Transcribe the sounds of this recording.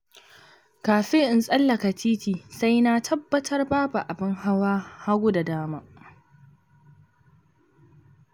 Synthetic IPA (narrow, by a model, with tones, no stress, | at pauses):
kaː˨ɸɪ˦ŋʔɪ˨nsʼɐ˦lːɐ˨ka˨tiː˦tiː˨sa˦jna˦tʰɐ˦bːɐ˦tʰɐ˦rbaː˦ba˨ʔa˨bɪ˦ŋha˦waː˦ha˦ɡʷʊ˦da˨daː˦maː˦